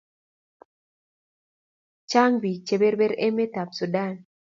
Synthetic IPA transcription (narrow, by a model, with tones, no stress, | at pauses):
t͡ʃa˦ŋbi˨t͡ʃe˦be˦ɾbe˦ɾɛ˦me˦ta˨psu˨da˦˨n